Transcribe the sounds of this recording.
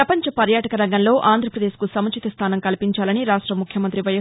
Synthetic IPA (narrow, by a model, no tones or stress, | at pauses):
ɾɐpɐɲt͡ʃɐpɐɾjaːʈɐkɐɾɐŋɡɐnlo̞ːʔaːnd̪ʱɾɐpɾɐd̪eːʃkusɐmɐt͡ʃit̪ɐst̪ʰaːnɐŋkɐlipiɲt͡ʃaːlɐniɾaːʂʈɾɐmukʰjɐmɐnt̪ɾiʋɐjɐ